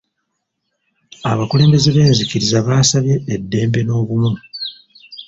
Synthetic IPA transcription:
aβakule̞ːmbe̞ze̞βe̞ːnzikiɾizaβaːsaβje̞ːdːe̞ːmbe̞no̞ːβumu

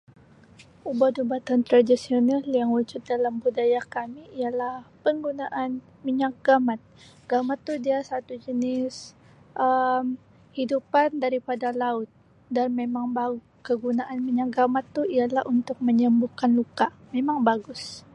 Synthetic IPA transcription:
ubadubat̪ant̪ɾadisionaljaŋwud͡ʒʊt̪̚dalambudajakamiːjalahpəŋɡunaʔan | miɲak̚ɡamat̪̚ | ɡ̥amat̪ːuhdiasat̪ud͡ʒənɪs | ʔəm | hidupandaɾipadalaʊt̪̚ | danmemaŋba | kəɡunaʔanmiɲak̚ɡamat̪ːuijalahunt̪ʊk̚məɲəmbukanlukamemaŋbaɡʊs

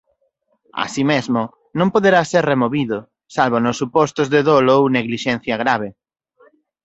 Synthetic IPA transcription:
a̰simezmʊ | nõmpoðeɾaseɾremoβiðʊ | salβonʊsːupɔst̪ʊzðeðolowneɣliʃɛnθjɐɣ̞ɾaβ̞e

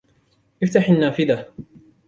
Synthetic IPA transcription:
ʔɪft̪aħanːaːfɪd̪a

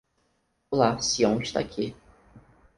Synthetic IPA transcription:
lasiõw̃iʃt̪a̰kʰi

